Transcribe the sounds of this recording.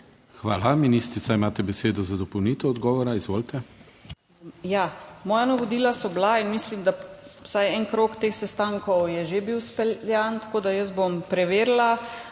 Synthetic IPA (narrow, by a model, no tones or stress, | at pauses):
xʋaːlaminist̪ɾit̪saimaːt̪ɛbɛseːd̪ɔzad̪ɔpɔwniːt̪ɛɔd̪ɡɔːʋɔɾaizʋoːlt̪ɛ | jamɔːjanaʋod̪iːlasɔblainmislimd̪awsajɛnkɾoːkt̪eːxsɛst̪aŋkɔwjɛʒebiwspɛjant̪ḁkoːd̪ajəst̪bompɾɛʋeːɾla